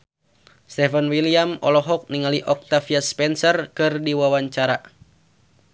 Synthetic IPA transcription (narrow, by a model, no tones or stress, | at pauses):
st̪ɛfənwiliamɔlɔɦɔk̚niŋaliʔɔk̚t̪afiaspɛnsərkɨrdiwawaɲt͡ʃaɾa